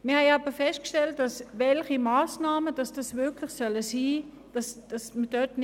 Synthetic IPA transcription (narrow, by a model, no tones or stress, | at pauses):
mɪɐhɛɪɑːb̥əfɛst̚kʃtɛlt̚d̥ɑsvɛlχimaːsnaːməd̥ɑsd̥ɑsvɪɐkʰlɪχsœləsiː | d̥ɑsd̥ɑsməd̥œtn